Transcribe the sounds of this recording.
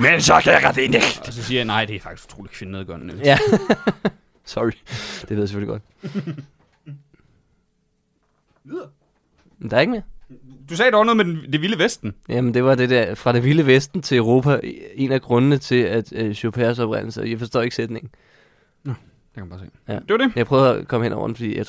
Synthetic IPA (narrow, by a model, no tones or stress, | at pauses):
mensɒkʰæjaʁɑd̥eneɡd̥sɒsiːɐjnɑ̈ɪ̰d̥e̝kæfɑ̈ɡ̥i̥sɡ̥t͡sʰo̰ːdi̥kʰfe̝nneðˠɡ̥ɒn̰n̩eljæ | sɒʁid̥eʋeðˠsefø̰liɡ̥ɒ̽d̥ | d̥ɑ̈ɐeɡəmed̥usɛːd̥ɑnɔ̽ð̩ˠmedend̥eʋiləʋesd̥n̩jæmend̥e̝ʋɑ̈d̥ed̥æɐfʁɑ̈ɾ̥enʋiləʋesd̥n̩t͡sʰe̝əʊʁo̝̰ːpʰæe̝næɡ̥ʁɔ̽nənət͡sʰe̝æd̥ɕopʰeːɐsɒ̽b̥ʁɛn̰l̩səjɑ̈ɪfɒ̽sd̥ɔ̰ːe̝ɡ̥sed̥ne̝ŋn̩ | n | d̥ekʰæmb̥ɑːsḛːjæd̥e̝ʋɐdejaɪpʰʁœːʊðˠɒkʰɒ̽məhen̰ʔɒ̰ʊ̰ɐd̥n̩fɒ̽dḭːjɑɪ